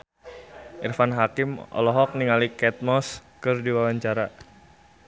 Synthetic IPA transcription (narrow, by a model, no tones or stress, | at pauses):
ʔirfanɦakɪmɔ̰lɔɦɔk̚niŋalikɛt̪̚mɔskɨrdiwawaɲt͡ʃaɾa